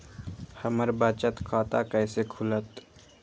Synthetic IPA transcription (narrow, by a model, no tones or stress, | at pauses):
həməɾbaːt͡ʃət̪kʰaːt̪akɛːsekʰʊlət̪